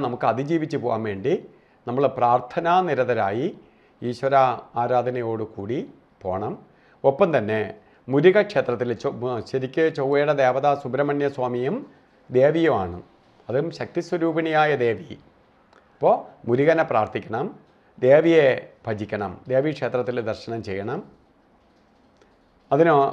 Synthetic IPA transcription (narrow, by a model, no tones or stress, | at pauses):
nɐmukːɨɐd̪ʱid͡ʑiːʋit͡ɕːɨpoːʋa̰mʋe̞ːɳɖi | nɐmːɐɭpraːrt̪ʰɐnaːniɾɐðɐɾaːji | iːɕwɐɾɐaːɾaːd̪ʱɐnɐjo̞ːɽɨkuːɽi | po̞̰ːɳɐm | opːɐmt̪ɐnːe̞ | muɾuɣɐkʂe̞ːt̪rɐt̪̬ːiloɕɐɾikʲːɨt͡ɕowːeːɽɐd̪e̞ːʋɐðasubɾɐmɐnjɐswaːmijum | d̪e̞ːʋijumaːɳɨ | ɐðɨmɕɐk̚t̪iswɐɾuːbɐnijaːjɐd̪e̞ːʋi | ɐpːoːmuɾuɣɐnepraːrt̪ʰikʲːɐɳɐm | d̪e̞ːʋijebʱɐd͡ʑikʲːɐɳɐmd̪e̞ːʋikʂe̞ːt̪rɐt̪ːild̪ɐrɕɐnɐmt͡ɕejːɐɳɐm | ɐðino